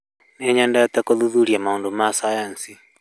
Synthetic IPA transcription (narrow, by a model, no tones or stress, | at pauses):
neɲandajat̪akoðuðuɾjamaoːndomasajansi